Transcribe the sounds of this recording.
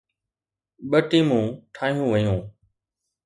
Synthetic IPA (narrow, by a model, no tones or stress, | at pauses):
ɓəʈĩːmũːʈʰaːɦijũːʋəjũː